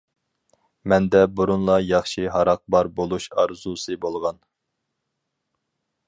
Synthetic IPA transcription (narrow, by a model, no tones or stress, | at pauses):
mɛnd̪ɛbuɾunlˠɑjɑχʃiɦɑɾɑq̚bɑɾbolˠuʃɑɾzusɨbolˠʁɑn